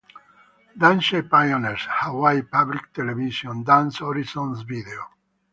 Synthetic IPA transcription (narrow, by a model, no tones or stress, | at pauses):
d̪ãnʃepajoneɾshawajpablikt̪elevisjɔ̃nd̪ãnsɔɾisɔ̃nsvid̪eo